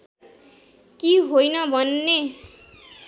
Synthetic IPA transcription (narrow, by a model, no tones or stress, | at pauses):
kiɦojnʌbʱʌnːe